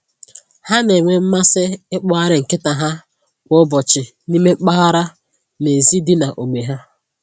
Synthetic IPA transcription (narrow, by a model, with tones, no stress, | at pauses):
ha˦ne˨ŋʷe˨m̩˦ma˦sɪ˦ɪ˦k͡pɔ˦a˦ɾɪ˨ŋ̩˨kɪ˦ta˨ɦa˦ | kʷʊ˦bɔ˨t͡ʃɪ˨ | ni˦me˦k͡pa˦ɣa˦ɾa˦ | ne˨zi˦dɪ˦na˨ʔo˨me˨ɦa˦